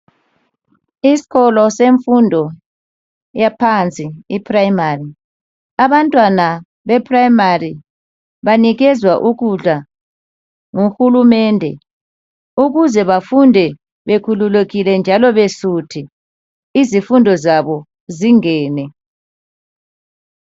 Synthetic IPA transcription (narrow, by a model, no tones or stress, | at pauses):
isi̥ɣɔlɔseɱfundʱɔ | japʰant͡sʼiipʰʼraimari | aβantʼwana | βɛpʰʼrajimari | βaniɣɛzwaʔuɣuɮa | ŋuxulumɛndʱɛ̰ | uɣuzɛβafundʱɛ | βekʰululeɣilɛnd͡ʒʱalɔβesutʰi | izifundʱɔzaβɔ | ziŋɛːnɛ